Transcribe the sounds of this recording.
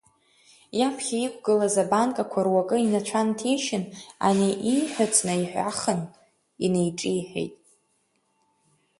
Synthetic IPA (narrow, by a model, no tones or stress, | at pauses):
japʰχʲaikʷʰʼɡɨlazabaŋkʼakʷʰarwakʼɨinat͡ʃʷʰantʰejʃɪna̰niʔiħʷᶣat͡sʼnɨiħʷᶣa̰χən | inejʈ͡ʂʼiħᶣḛjtʼ